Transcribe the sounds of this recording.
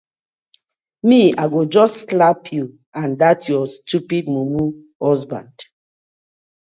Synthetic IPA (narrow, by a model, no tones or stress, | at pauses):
miaɡod͡ʒɔsːlapʰju | ãndatʰjɔstupidmumu | hɔzbã̰nd̥